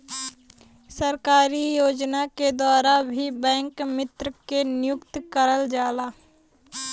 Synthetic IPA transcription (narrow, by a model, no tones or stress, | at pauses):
səɾkaːɾijoːd͡ʒnaked̪aːɾabʱibɛ̃ːŋkmɪt̪ɾəkenɪjʊkt̪kəɾəld͡ʒaːlaː